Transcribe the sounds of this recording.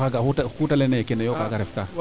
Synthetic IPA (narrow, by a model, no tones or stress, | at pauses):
aɡauahutalɛnajkinajokaɡaɾɛfka